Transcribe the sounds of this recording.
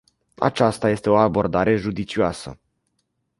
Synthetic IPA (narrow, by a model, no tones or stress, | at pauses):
a̰t͡ʃast̪aje̞st̪e̞o̞abo̞rd̪aɾe̞ʒud̪it͡ʃioasə̰